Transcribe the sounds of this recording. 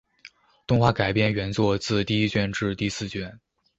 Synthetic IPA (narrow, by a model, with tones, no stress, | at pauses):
t̪ʊ˥˧ŋxwa˥˩ka˨˩ɪpjɛ˥˩nɥɛ˧˥nt͡swɔ˥˧t͡sɹ̩˥˧t̪i˥˧i˥t͡ɕɥɛ˥˧nʈ͡ʂɻ̩˥˧t̪i˥˧sɹ̩˥˧t͡ɕɥɛ˥˩n